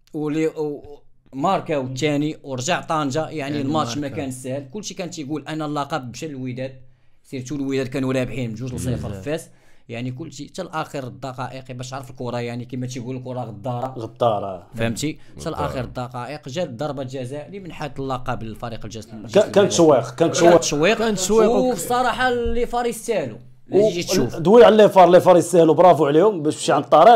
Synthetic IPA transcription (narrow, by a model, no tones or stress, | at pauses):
wli | mɑɾˤkæwət̪ːæniwɾˤʒaʕt̪ˤɑnʒɑjaʕnilmɑtʃmækænəsːæhəlkʊlːʃikænt̪əɡulʔænːælːɑqɑb̚bʃællwəd̪æd̪̚ | siɾt̪ulwəd̪æd̪̚kænuɾæbħinmnʒuʒəlsˤɑfəɾfæs | jaʕnik̬ʊlːʃit̪ælʔæxəɾd̪ˤːɑqɑʔəqbæʃt̪ʕɾˤəfəlkʊɾˤɑjaʕnikəmæt̪̬iɡuləlkʊɾˤɑɣəd̪ˤːɑɾˤɑɣəd̪̚ɑɾ̰ˤfhəmt̪i | t̪ælʔæ̰xəɾəd̪ːɑqɑʔəqʒæld̪ːɑɾˤbɑlʒæzælimənħat̪ːəlːɑqɑbəlfɑɾiqəlʒæzʒækænət̪ʃwiqkænət̪ʃːit̪ʃwːiqʃfəsˤːɑɾˤɑħɑlifɑɾˤist̪æhlu | læʒit̪ʃufd̪wiʕalːifɑɾˤlifɑɾˤisæhlubɾˤɑfuʕlihʊmbæʃbʃiʕənd̪t̪ˤːɑɾiq